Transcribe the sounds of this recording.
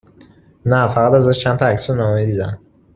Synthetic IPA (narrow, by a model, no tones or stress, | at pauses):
nafaqad̪azəʃt͡ʃʰant̪ʰɔaksunamɔid̪id̪a̰n